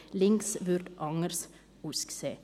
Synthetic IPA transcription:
lɪŋsʋʉɾd̪ʔɑŋəɾs | ʊskseː

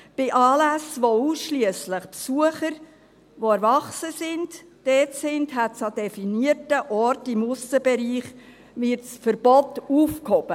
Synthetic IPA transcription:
b̥ɪʔɑːlæsʋouːsʃliəsləχpsuəχəɾ | ʋoɛɾvɑχsəsɪnd | d̥ɛːtsɪndɦætsɑdɛfiniətəʔɔɾtɪmʊsəbɛɾiːχ | ʋɪɾtsfəɾb̥ɔtuːfkhɔb̥ə

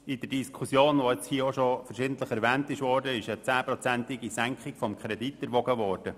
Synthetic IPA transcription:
ɪd̥əd̥iskʰusjoːnʋoɛt͡shiːəoʃofəɾʃɪːd̥ən̩t̪ləχɛɾʋɛːntɪʃʋɔːɾdəɪʃɛt͡sæːpɾɔt͡sæntɪɡisæŋkχɪkfɔmkʰɾɛditːɛɾʋɔɡəʋɔːɾd̥ə

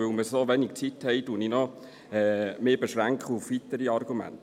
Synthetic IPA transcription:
ɵlməsoʋɛnik̚t͡sithɛɪtuəninɔ | ɛːmeːbeʃɾæŋkχəufʋitəɾiɑɾɡumæ̰nt

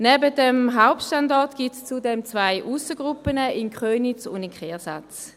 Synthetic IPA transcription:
nɛbət̚ɛmɦaʊp̚tʃtandɑɐtɡ̥itst͡sudɛmt͡svaɪʔusəɡ̥ʁupənəʔinkχøːnit͡sʊ̰ndikχɛːɐsa̰t͡s

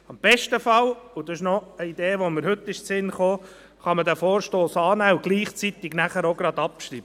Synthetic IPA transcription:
ɑmb̥ɛʃtəfɑlʊd̪ɑɪʃnɔəid̪eːʋoməɾhɵt̪ːɪʃt͡sɪnχoː | χɑməd̪æfoːɾʃtoːsɑːnæːʊɡ̥liːχt͡sit̪ɪɡnæχəɾoɡɾɑd̪ɑpʃɾḭːb̥ə

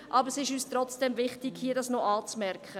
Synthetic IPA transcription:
ʔɑbəɾsɪʃyːstɾɔt͡sd̥ɛmvɪχtɪɡ̥hiːədɑsnoʔɑːt͡smɛɾkχə

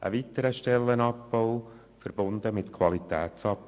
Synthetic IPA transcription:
ʔə̰vitəɾəʃtɛlːənɑpboʊ | fəɾb̥ʊnd̥̪əmɪtkʰwɑlitɛːt͡sɑp

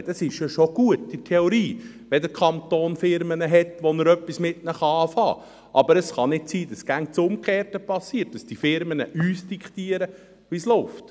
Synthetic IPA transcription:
d̥ɑsɪʃjɑʃoɡ̥uətːɪtʰɛoɾiː | ʋɛdəɾkʰɑnt̪oːnfɪɾmənəɦɛtʋonəɾœpːismɪtnəχɑɑːfɑ̰ː | ʔɑbəɾəsχɑnɪtsiːd̥ɑsɡ̥æŋt͡sʊmkχeːrtəpɑsːiːərt̚d̥ɑsd̥ifɪɾmənə̰ʔyːsd̥ikχtiːəɾə | ʋislɔʊft

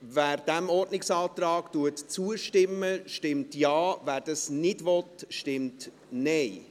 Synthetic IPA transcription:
væːɾd̥æmɔɾdnɪksɑːt̪ɾɑːɡ̥tuətt͡suəʃtɪmːəʃtɪmtjɑːvæːɾd̥ɑsnɪdʋɔt̪ʃtɪmt | nɛɪ

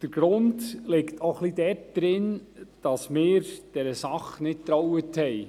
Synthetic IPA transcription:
d̥əɾɡ̥ɾʊndlɪktʰoχlidɛt̚d̪̥ɾɪnd̥ɑsmɪːɾd̥ɛɾəsɑχnɪtt̪ɾɔwəthɛj

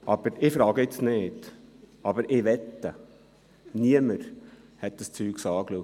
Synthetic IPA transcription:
ʔɑb̥əɾɪfɾɑːɡəɪt͡sneːd̥ɑbəɾɪʋɛt̪ːə | niəməɾ | hɛt̪̚d̥əst͡syːksɑːkluk

